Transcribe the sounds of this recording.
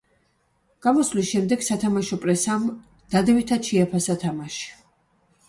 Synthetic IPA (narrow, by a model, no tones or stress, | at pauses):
ɡ̥amɔslisʃɛmd̪ɛɡ̥sat̪ʰamaʃɔpʼɾɛsam | d̪̥ad̪ɛvit̪ʰad̪ʃɛapʰasat̪ʰamaʃi̥